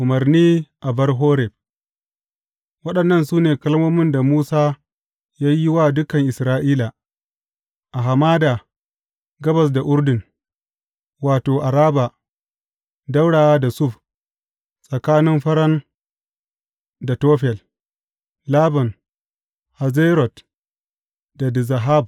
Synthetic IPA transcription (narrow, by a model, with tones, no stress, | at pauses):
ʔʊ˨mɐ˨rniː˦ʔa˨bɐ˦rɦoː˦ɾɛ˨b̚ | wɐ˦ɗɐ˨nːɐ˦˨nsuː˦neː˨kɐ˦lmoː˦mɪ˦nda˨muː˦saː˦ | jaː˦ji˦waː˦dʊ˦kɐ˨ŋʔɪ˨sɾaː˦ʔiː˦la˨ | ʔa˨ɦa˨maː˦da˨ | ɡɐ˦bɐ˨s̬da˨ʔʊ˦ɾdɪ˨ŋ | waː˨toː˨ʔa˨ɾaː˦ba˨ | da˦wɽaː˨wa˦da˨sʊ˦˨ɸ | sʼɐ˨kaː˦nɪ˦mɸɐ˦ɾɐ˦n | da˨toː˦ɸɛ˨l | laː˦bɔ˨n | ha˨zeː˦ɾɔ˨t | da˨dɪ˨za˨ɦa˦˨b̚